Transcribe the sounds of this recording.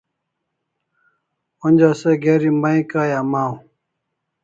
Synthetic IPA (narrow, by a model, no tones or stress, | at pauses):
onʲd͡ʑaseɡeɾimaĩkaːjamaːw